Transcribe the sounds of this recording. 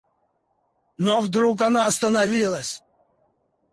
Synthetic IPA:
novd̪ɾukanaːst̪ənavʲilˠəsʲ

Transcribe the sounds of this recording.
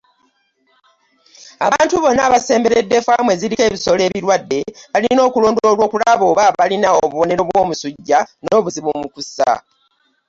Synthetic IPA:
aβaːntuβo̞nːaːβase̞ːmbe̞ɾe̞dːe̞famwe̞ziɾike̞ːβiso̞le̞ːβiɾwadːe̞βalino̞ːkulo̞ːndoo̞ːlwo̞ːkulaβo̞ːβaalinaoβuβo̞ne̞ɾo̞βwo̞ːmusuɟːano̞ːβuziβumukusa̰

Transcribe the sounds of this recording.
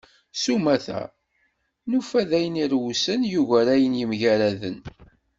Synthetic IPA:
sumæθæ̰ | nufæðæjəniɾwusənjuʝæɾæjənjimʝæɾæðə̰n

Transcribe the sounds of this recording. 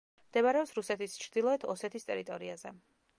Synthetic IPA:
md̪̥ɛmaɾɛɔpsɾusɛt̪ʰist͡ʃʰɾd̪ilˠɔɛt̪ʰɔsɛt̪ʰist̪ʼɛɾit̪ʼɔɾiazɛ

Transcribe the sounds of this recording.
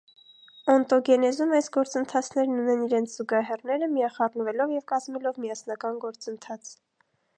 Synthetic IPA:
ɔnt̪ɔɡɛnɛzumɑjsɡɔɾt͡sənt̪ʰɑt͡sʰnɛɾnunɛniɾɛnt͡sʰz̥uɡɑɦɛrnɛɾəmijɑχɑrnəvɛlɔvjɛvkɑzmɛlɔvmijɑsnɑkɑnɡɔɾt͡sənt̪ʰɑt͡sʰ

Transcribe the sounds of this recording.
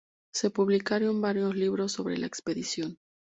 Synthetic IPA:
se̞puβlikaɾjombaɾjo̞zliβɾo̞sːo̞βɾe̞̰la̰ekspe̞ðisjo̞n

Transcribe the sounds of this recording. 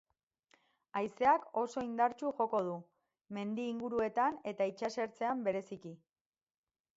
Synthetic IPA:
ajse̞ako̞so̞ind̪aɾt͡ʃuʝo̞ko̞ðu | me̞nd̪iːŋɡuɾue̞t̪ane̞t̪ait͡ʃase̞ɾt͡se̞ambe̞ɾe̞siki

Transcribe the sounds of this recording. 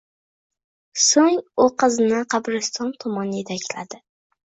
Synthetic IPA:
soŋʊqʰɨznɪqʰɑbɾɪst̪ʰɒnt̪ʰɒmɒnjet̪ʰakʲʰlad̪ɪ

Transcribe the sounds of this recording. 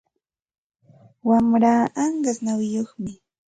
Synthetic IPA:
wamɾaːɑɴɢasnawɪjoχmɪ

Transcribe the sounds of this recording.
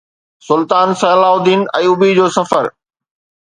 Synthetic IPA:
sʊlt̪aːnsɐːlaːʊd̪iːnɐ̃ːuːbid͡ʑoːsɐfəɾ

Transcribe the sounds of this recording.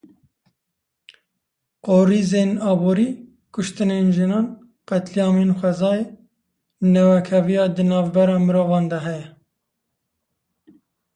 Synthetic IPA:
qoːɾizeːnɑːboːɾiː | kʰʊʃt̪ɨnenʒɨnɑːn | qɛt̪lijɑːmenxʷɛzɑːje | nɛwɛkʰɛvijɑːd̪ɨnɑːvbɛɾɑːmɨɾoːvɑːnd̪ɛɦɛjɛ

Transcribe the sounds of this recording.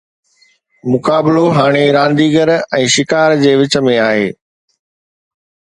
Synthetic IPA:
mʊkaːbɪloɦaːɽ̃eɾãːnd̪iːɡəɾɛ̃ːʃɪkaːɾd͡ʑeːʋɪt͡ɕə̆mẽaːɦḛː

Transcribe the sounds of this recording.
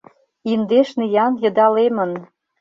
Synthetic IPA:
ind̪eʃnejɑnjɤ̆d̪ɑlemə̆n

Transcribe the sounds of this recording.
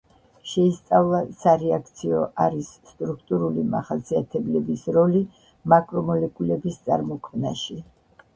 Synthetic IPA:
ʃɛist̪sʼavlˠasaɾɛakʰt̪sʰiɔ̰ʔaɾisːt̪ʼɾukʰt̪ʼuɾulima̰χasiat̪ʰɛblɛbisɾɔli | makʼɾɔmɔlɛkʼulɛbist̪sʼa̰ɾmɔkʰmnaʃi

